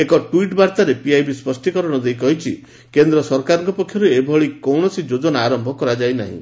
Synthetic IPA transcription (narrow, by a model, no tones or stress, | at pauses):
ekɔʈuiʈbaɾt̪aɾepiajbispɔsʈikɔɾɔɽ̃ɔd̪ejkɔɦit͡ʃʰi | kend̪ɾɔsɔɾkaɾɔŋkɔpɔkʰːjɔɾeebʱɔɭikɔwɳ̃ɔsid͡ʒod͡ʒɔnaːɾɔmbʱɔkɔɾad͡ʒajna̰ɦḭ̃